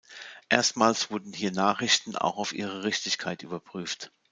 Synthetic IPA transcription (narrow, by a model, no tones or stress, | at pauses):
ʔeːɐstmaːlsv̥ʊɐdn̩hiːɐnaːχɪçtn̩a̰ʊxaʊfʔḭːʁ̞əʁɪçtɪçkʰaɪtʔyːbɐpʁ̥yːft